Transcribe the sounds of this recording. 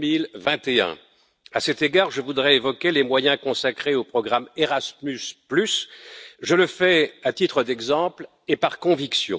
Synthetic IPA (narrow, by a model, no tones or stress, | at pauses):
ilvɛ̃t̪eɛ̰̃ | asɛt̪eɡaʁʒəvud̪ʁɛevɔkʲelemwajɛ̃kɔ̃sakχeopχɔɡʁameʁasmysplysʒələfɛat̪it̪χəd̪ɛɡzɑ̃pl | epaʁkɔ̃viksjɔ̰̃